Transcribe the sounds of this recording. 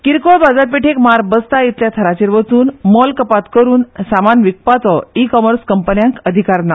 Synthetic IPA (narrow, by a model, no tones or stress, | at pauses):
kiɾkoɭbad͡zat̪̚peʈʰekmaɾbəst̪ait̪ljat̪ʰəɾat͡ɕeɾʋət͡suːnmɔlkəpat̪kəɾuːnsamanʋik̚pat͡sɔikɔməɾskəmpənjãŋkəd̪ʱikaɾna